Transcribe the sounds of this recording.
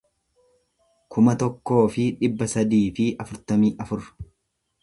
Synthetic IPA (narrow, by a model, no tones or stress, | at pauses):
kʰʊmɐt̪ɔkːo̞ːfɪᶑɪbːɐsɐd̪iːfɪɐfʊɾt̪ɐmiːʔɐfʊɾ